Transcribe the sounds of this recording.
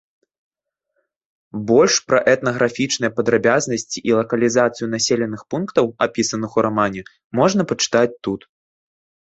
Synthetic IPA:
bɔlʲʂpɾɐʔɛt̪nɐɣɾafʲit͡ʂnɨjɐpɐd̪ɾabʲaznɐsʲt͡sʲiʔilˠɐkɐlʲizat̪sɨjunasʲelʲɛnɨxpunkt̪ɐwapʲisɐnɨxuɾamanʲɛ | mɔʐnɐpɐt͡ʂɨ̥t̪at͡sʲt̪ut̪

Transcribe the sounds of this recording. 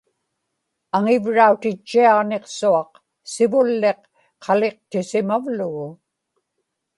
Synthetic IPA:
aŋɪvɻaut̪ɪt͡ʃːiɑʁneqsuɑq | sɪvʊlːe̞qː | ɑle̞q̚t̪ɪsɪmavlʊɣʊ

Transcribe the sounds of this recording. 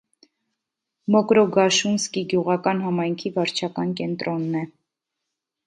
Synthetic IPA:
mɔkɾɔɡɑʃunskiɡjuʁɑkɑnɦɑmɑjŋkʰivɑɾt͡ʃʰɑkɑnkɛnt̪ɾɔnːɛ

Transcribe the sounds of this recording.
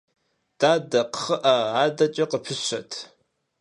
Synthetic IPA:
d̥aːdɐqəχɐʔaaːdɐt͡ʃʼɐqəpʰɨɕɐ̰tʰ

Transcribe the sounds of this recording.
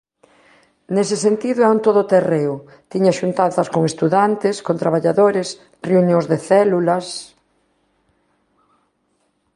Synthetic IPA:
nesesent̪iðʊaunt̪oðot̪ereʊ | t̪iɲaʃunt̪anθɐskoŋest̪uðant̪ɪskont̪ɾaβaʎaðoɾes | reunjõŋzðeθɛlulɐs

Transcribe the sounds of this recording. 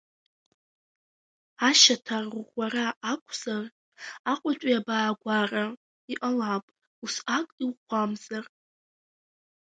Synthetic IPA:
aʃatʰarrʷaraʔːkʷʰz̥ar | aqʷʼat͡ʃʷʼiabaːɡʷara | iʔalapʼ | usakʼiwχʷʰamzar

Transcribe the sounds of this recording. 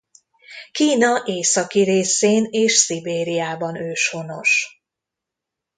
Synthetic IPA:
kiːnɒʔeːsɒkiɾeːseːneːʃsibeːɾijaːbɒnøːʃho̞no̞ʃ

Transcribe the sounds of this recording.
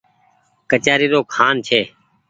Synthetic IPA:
kət͡ʃaːɾiːɾoːkʰaːnt͡ʃʰeː

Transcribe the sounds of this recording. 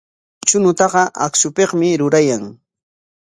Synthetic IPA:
t͡ʃʊnʊt̪ɑɢɑʔaksʊpeqmɪɾʊɾajaŋ

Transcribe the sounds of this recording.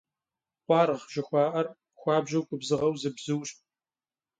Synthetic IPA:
qʷɑːɾʁʒ̥ɪxʷɑːʔɐr | xʷɑːbʒɐwkʷʼʊbzɨʁɐwzɨbzɨwɕ

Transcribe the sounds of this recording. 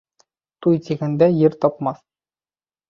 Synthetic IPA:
t̪ujt̪ʲiɡænd̪æjɘɾt̪ɒpmɑθ

